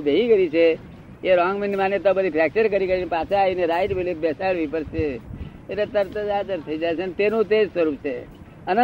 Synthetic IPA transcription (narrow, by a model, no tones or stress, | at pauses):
bʱeɦiɡəɾit͡ʃʰe | eɾɔ̃ŋɡminimanet̪obəd̪ʱipʰɛk̚t͡ʃəɾkəɾikəɾinepat͡ʃʰeaineɾaːɪʈbɪlip̚bɛsaɭʋipəɾʃe | enet̪əɾt̪əd͡ʒad͡ʒəɾt̪ʰəid͡ʒajt͡ʃʰent̪enũt̪ed͡ʒsəɾupt͡ʃʰe | ənə